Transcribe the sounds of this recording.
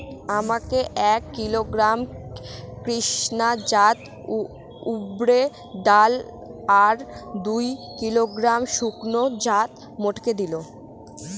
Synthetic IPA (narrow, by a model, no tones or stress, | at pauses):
amakeʔɛkːiloɡɾam | kɾiʃnad͡ʑat̪ | ubɾe | d̪al | aɾd̪ujkiloɡɾamʃuknod͡ʑat̪ | moʈʰked̪ilo